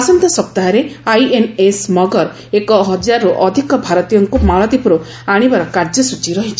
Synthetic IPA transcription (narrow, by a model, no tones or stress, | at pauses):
asɔnt̪ɔsɔp̚t̪aɦaɾeajenesmɔɡɔɾ | ekɔɦɔd͡ʒaɾuʔɔd̪ʱikɔbʱaɾɔt̪ijɔŋkumaɭɔd̪ipuɾu | aɽ̃ibaɾɔkaɾd͡ʒɔsut͡ʃiɾɔɦit͡ʃʰi̥